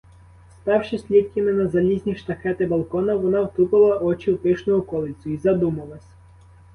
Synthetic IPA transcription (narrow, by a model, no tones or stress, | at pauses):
st̪ɑwʃɪsʲlʲit̪̚kʲɐmɪnɐzɐlʲizʲnʲiʃt̪ɐxɛt̪ɪbɐlˠkɔnɐʋɔnɑwt̪upɪlˠɐʔɔt͡ʃiwpɪʃnɔɦʊkɔlˠɪsʲʊizɐd̪umɐlˠɐsʲ